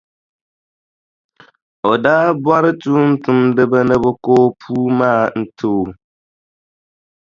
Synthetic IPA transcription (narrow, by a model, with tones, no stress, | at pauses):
o˨daː˦bwa˦ɾɨ˦tu˦n̩˦tʊ˦mdɨ˦ba˦nɨ˦bɨ˦koː˦pʰuː˦maː˦˨n̩˦tʰoː˦˨